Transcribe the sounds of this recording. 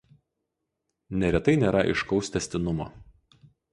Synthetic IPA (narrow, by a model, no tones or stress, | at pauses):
nʲɛɾʲɛt̪ɐɪnʲeːɾɐʔɪ̰ʃkɒʊsʲt̪ʲɛsʲt̪ʲɪnʊmo̰ː